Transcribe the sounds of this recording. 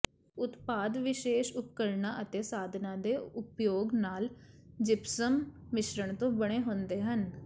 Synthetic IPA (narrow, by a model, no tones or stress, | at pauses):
ʊt̪paːd̪ʋɪʃeːʃʊpkəɾnãːʔət̪eːsaːd̪ʱnãːd̪eːʊpjoːɡnaːl | d͡ʒɪpsəmː | ɪʃɾəɳt̪õːbəɽ̃eːɦõːnd̪eːɦən